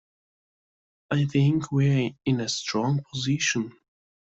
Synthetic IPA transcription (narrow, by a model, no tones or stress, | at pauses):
ʔaɪθɪ̃ŋkʰwiɪ̃nɨstɹ̥ɔ̃ŋpʰɔzɪʃə̃n